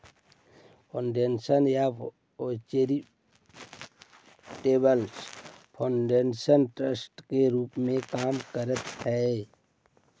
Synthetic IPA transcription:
pʰoɳɖensənja | ot͡ʃeɾi | ʈeːbəlspʰoɳɖensənʈɾəsʈkeɾuːpmẽkaːmkəɾət̪ɦɛ

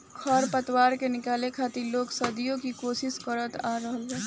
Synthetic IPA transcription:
kʰɔɾpət̪waːɾkenɪkaːlekʰaːt̪iloːksəd̪ijõkikoːʃɪʃkəɾət̪aːɾəɦəlɦɛː

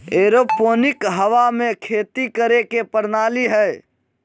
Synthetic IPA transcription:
eɾoponɪkɦəʋamekʰeːt̪ikəɾekepəɾnaːliɦəj

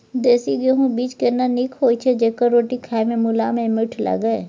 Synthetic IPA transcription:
d̪eːsiɡeɦũbiːt͡ʃkenanikʰɦoːit͡ʃʰed͡ʒeːkəɾoːʈikʰaːemẽmʊlaːmẽmɪʈʰlə̰ɡəe

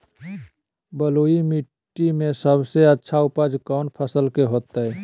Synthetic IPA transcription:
bəloimiʈː | imesəbʱseətːʃʰaupəd͡ʒkaʊnpʰəsəlkeɦot̪əɛ

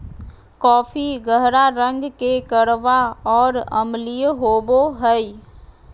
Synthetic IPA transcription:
kɔːpʰiɡəɦɾaɾə̃ŋɡkekəɽʋaɔːɾəmlijɦoːboɦəi

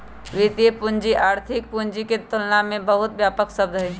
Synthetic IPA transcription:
ʋɪt̪ijəpʊnd͡ʒiʔaːɾt̪ʰɪk̚pʊnd͡ʒiket̪ʊlnamẽbəɦʊt̪ʋjaːpəksəbd̪ʱɦeː

